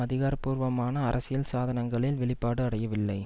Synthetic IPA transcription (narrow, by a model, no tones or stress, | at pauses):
ɐðɪɣaːɾpuːɾʋɐmaːnɐːɾʔɐsɪjɪlsaːðɐnɐŋɡɐɭɪlʋɛɭɪpːaːɽɯɐɽɐjɐʋɪlːɐɪ